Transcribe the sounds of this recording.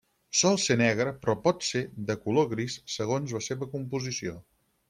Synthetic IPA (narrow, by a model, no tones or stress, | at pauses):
sɔlˠsenɛɣ̞ɾəpɾɔpɔt̪seðəkuloɣɾisːəɣ̞onzləseβəkumpuzisio